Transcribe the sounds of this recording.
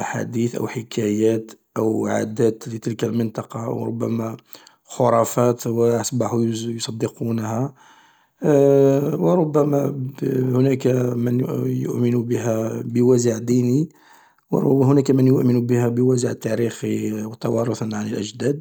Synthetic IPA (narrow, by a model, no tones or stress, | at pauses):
ʔaħa̰d̪iθʔə̰wħəkʰæjæt̪ʔəwʕa̰d̪æt̪lət̪əlkəlmənt̪ˤɑqɑ̰wɾˤʊ̰bːæmæ | xoɾˤɑfæt̪wəɑsˤbɑħujjosˤɑd̪ːəqunhæ | wəɾˤʊbːæmæhʊnækmənjʊ̰ʔmənubəɦæbəwæzəʕd̪ini | w̰ɾhʊnækæmənjʊʔmənubəhæbəwæzəʕt̪ːæɾixiwt̪ɑwɑɾˤʊθnʕanəlʔəʒd̪æd̪̚